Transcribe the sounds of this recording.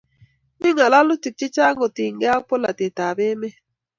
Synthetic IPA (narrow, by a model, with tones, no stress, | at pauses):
mi˦ŋa˨la˦lʊ˦ti˨k̚t͡ʃi˦t͡ʃa˦ŋɡo˨ti˨ŋɡɛ˦a˦k̚po˦la̰˨te˨ta˨be˦mɛ˦